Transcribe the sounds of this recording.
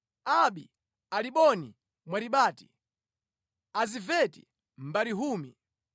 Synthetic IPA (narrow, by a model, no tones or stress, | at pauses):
aɓi | aliɓɔni | mwaɾiɓaːti̥ | azivɛtḭ | m̩baɾiɦuːmi